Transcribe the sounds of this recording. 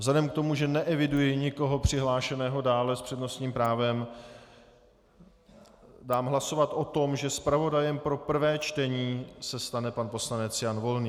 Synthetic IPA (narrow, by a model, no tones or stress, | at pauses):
vzlɛdɛmk̚t̪o̞muʒɛnɛʔɛvɪdujɪɲɪko̞ɦo̞pr̥ɪɦlaːʃɛnɛːɦo̞daːlɛspr̥ɛdno̞st̪ɲiːmpɾaːvɛm | daːmɦlaso̞vat̪ʔo̞t̪o̞mʒɛspɾavo̞dajɛmpɾo̞pr̩vɛːt͡ʃt̪ɛɲiːsɛst̪anɛpanpo̞slanɛt͡sjanvo̞lniː